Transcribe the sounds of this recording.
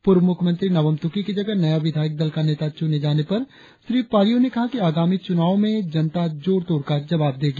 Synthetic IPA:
pʊɾʋmʊkʰmə̃nt̪ɾinɐʋəmt̪ʊkikid͡ʒɐɡənɐjaʋɪd̪ʱaːjɪk̚d̪ɐlkaneːt̪at͡ʃuned͡ʒaːnepɐɾ | ʃɾiːpaːɾijõnekɐɦakiaːɡaːmit͡ʃʊnaːõmẽd͡ʒɐnt̪ad͡ʒoːɾt̪oːɾkad͡ʒɐʋaːb̚d̪eːɡaː

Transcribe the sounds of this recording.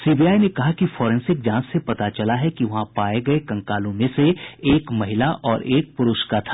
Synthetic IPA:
siːbiaːjnekɐɦakifɔːɾɛ̃nsɪk̚d͡ʒãːsːepɐt̪at͡ʃɐlaɦɛkiʋɐɦãpaːeɡɐekɐ̃ŋkaːlõmẽseeːkmɐɦɪlaʔʔɔːɾeːk̚pʊɾʊʃkat̪ʰḁː

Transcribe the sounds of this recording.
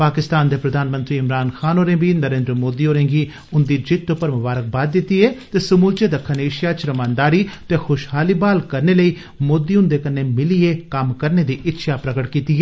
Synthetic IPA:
paːkɪst̪aːnd̪eːpɾəd̪aːnmə̃nt̪ɾiːɪmɾaːnxʰaːnoːɾẽːbiːnəɾeːnd̪ɾəmoːd̪iːoːɾẽːŋɡiː | ʊnd̪iːd͡ʒɪt̪ːoːpəɾmʊbaːɾək̚baːd̪̚d̪ɪt̪ːiːɛːt̪eːsəmuːlt͡ʃeːd̪əkʰːəneːʃɪjaːt͡ʃɾəmaːnd̪aːɾiːtt̪eːxʊʃɦaːliːbaːlkəɾneːləiː | moːd̪iːʊ̃nd̪eːkəneːmɪlieːkəmkəɾneːd̪iːʔɪtːʃʰaːpɾəkəʈkiːt̪iːɛː

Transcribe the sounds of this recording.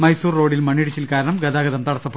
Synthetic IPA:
mɐjsuːrːo̞ːɽilmɐɳiɽit͡ɕːilkaːɾɐɳɐmɡɐd̪aːɡɐðɐmt̪ɐɽɐsɐpːɐ

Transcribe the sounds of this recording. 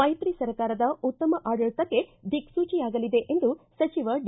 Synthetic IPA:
mɐjt̪ɾisɐɾɐkaːɾɐd̪ɐut̪ːɐmɐʔaːɖɐɭt̪ɐkːe̞d̪ʱiksuːt͡ʃijaːɡɐlid̪e̞ʔend̪usɐt͡ʃiʋɐɖ

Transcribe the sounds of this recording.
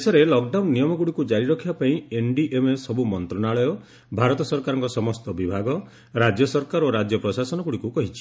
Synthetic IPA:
esɔɾelɔkɖawnːijɔmɔɡuɽikud͡ʒaɾiɾɔkʰibapaĩenɖiʔemesɔbumɔnt̪ɾɔnaɭɔjɔ | bʱaɾɔt̪ɔsɔɾkaɾɔŋkɔsɔmɔst̪ɔbibʱaɡɔ | ɾad͡ʒjɔsɔɾkaɾoɾad͡ʒjɔpɾɔsasɔnɔɡuɽikukɔɦit͡ʃʰi̥

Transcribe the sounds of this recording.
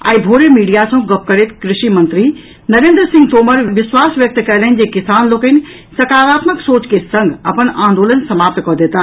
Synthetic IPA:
a̰ːibʱoːɾemiːɖijasɐ̃ɡɐp̚kəɾet̪kɾɪʃimə̃nt̪ɾi | nɐɾẽːnd̪ɾəsɪ̃ŋɡt̪oːməɾʋɪswaːsʋjək̚t̪kɛɦlənd͡ʒekɪsaːnloːkən | sɐkaːɾaːt̪məksoːt͡ʃkesə̃ŋɡʱɐpənãːnd̪oːlənsɐmaːp̚t̪kɔɦd̪eːt̪aː

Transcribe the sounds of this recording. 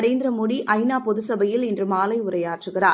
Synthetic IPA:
ɾeːnd̪ɪɾɐmoɽiʔɐɪnaːpɔðɯsɐbɐjɪlɪndrɯmaːlɐɪʊɾɐjaːʈrɯɣɪraː

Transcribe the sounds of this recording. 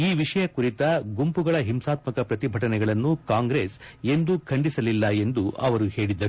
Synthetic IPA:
iːʋiʂɐjɐkuɾit̪ɐɡumpuɡɐɭɐɦimsaːt̪mɐkɐpɾɐt̪ibʱɐʈɐnɛɡɐɭɐnːukaːŋɡɾeːse̞nd̪ukʰɐɳɖisɐlilːɐe̞nd̪uʔɐʋɐɾuhe̞ːɭid̪ːɐɾu

